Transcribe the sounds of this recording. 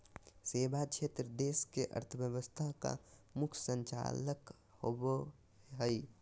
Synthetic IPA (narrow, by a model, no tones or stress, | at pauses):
seːbat͡ʃʰet̪ɾəd̪eːskeʔə̰ɾt̪ʰəbjəbəst̪ʰaka̰mʊkʰsə̃ɲt͡ʃa̰lək | hobo | ɦəi